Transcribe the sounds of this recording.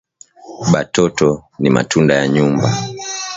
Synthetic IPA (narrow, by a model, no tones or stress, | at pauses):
ɓatɔtɔnima̰tʰundajaɲumba